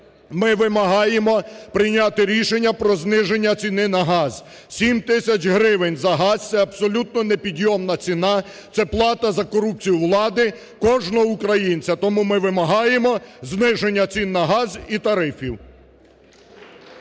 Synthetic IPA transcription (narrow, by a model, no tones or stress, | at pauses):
mɪʋɪmɐɦɑjemɔpɾɪjnʲat̪ɪɾʲiʃenʲːɐpɾɔznɪʒe̞nʲːɐt͡sʲinɪnɐɦɑz̥ | sʲimt̪ɪsʲɐt͡ʃɦɾɪʋɪnʲzɐɦɑz̥t̪sɛɐbsɔlʲut̪̚nɔnepʲid̪ʲjɔmnɐt͡sʲinɑ | t̪sɛplˠɑt̪ɐzɐkɔɾup̚t͡sʲijʊʋlˠɑd̪ɪ | kɔʒnɔɦɔukɾɐjinʲt͡sʲɐt̪ɔmumɪʋɪmɐɦɑjemɔznɪʒe̞nʲːɐt͡sʲinːɐɦɑzit̪ɐɾɪfʲiw